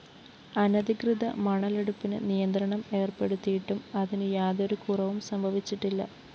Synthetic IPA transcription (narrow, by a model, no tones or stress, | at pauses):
ɐnɐðikrɨðɐ̰mɐɳɐleɽupːinɨ̰nijɐnd̪ɾɐɳɐme̞ːrpe̞ɽut̪ːijiʈːumɐðinɨjaːðo̞ɾukurɐʋumsɐmbʱɐʋit͡ɕːiʈːilːɐ̰